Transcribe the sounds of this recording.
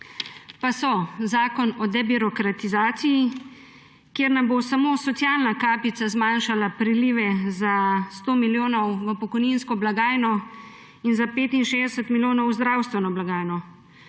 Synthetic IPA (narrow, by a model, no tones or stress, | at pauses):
pasɔzaːkɔnɔd̪ɛbiɾɔkɾat̪izaːt̪siji | kjeːɾnambosamoːsɔt̪sjaːlnakaːpit̪sazmaːnʃalapɾiliːʋɛzast̪oːmiljoːnɔwʋəpɔkɔjninskɔblaɡaːjnɔ | inzapeːt̪inʃeːzd̪ɛsət̪miljoːnɔwzd̪ɾawst̪ʋɛnɔblaɡaːjnɔ